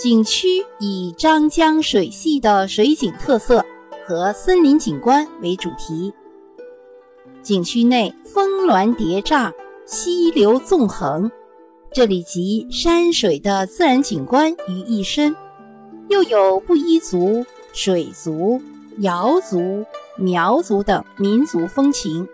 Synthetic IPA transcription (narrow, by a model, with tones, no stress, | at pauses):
t͡ɕi˨˩ŋt͡ɕʰy˥i˨˩ʈ͡ʂɑ˥ŋt͡ɕjɑ˥ŋʂwe˨˩ɪɕi˥˩d̪ə˩ʂwe˧˥ɪt͡ɕi˨˩ŋt̪ʰɤ˥˧sɤ˥˩xɤ˧˥sə˥nli˧˥nt͡ɕi˨˩ŋkwa˥nwe˧˥ɪʈ͡ʂu˨˩t̪ʰi˧˥ | t͡ɕi˨˩ŋt͡ɕʰy˥ne˥˩ɪfɤ˥ŋlwa˧˥nt̪jɛ˧˥ʈ͡ʂa˥˩ɕi˥ljo˧˥ʊt͡sʊ˥˩ŋxɤ˧˥ŋ | ʈ͡ʂɤ˥˩li˨˩t͡ɕi˧˥ʂa˥nʂwe˨˩ɪd̪ə˧t͡sɹ̩˥˩ɻa˧˥nt͡ɕi˨˩ŋkwa˥ny˧˥i˥˩ʂə˥n | jo˥˩ʊjo˨˩ʊpu˥˩i˥t͡su˧˥ | ʂwe˨˩ɪt͡su˧˥ | jɑ˧˥ʊt͡su˧˥mjɑ˧˥ʊt͡su˧˥t̪ɤ˨˩ŋmi˧˥nt͡su˧˥fɤ˥ŋt͡ɕʰi˧˥ŋ